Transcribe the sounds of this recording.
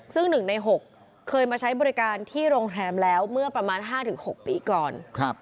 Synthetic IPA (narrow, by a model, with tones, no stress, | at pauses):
sɯ˥˩ŋnɯ˨˩ŋna˧jɦo˨˩kʰː | ɤː˧jmaː˧t͡ɕʰa˦˥jbɔː˧ɾi˦˥kaː˧nt̪ʰiː˥˩ɾoː˧ŋɾɛː˧mlɛː˦˥wmɯ˥˩ɐpɾa˧maː˧nɦaː˥˩t̪ʰɯ˩˦ŋho˨˩k̚piː˧kɔː˨˩nkʰa˦˥p̚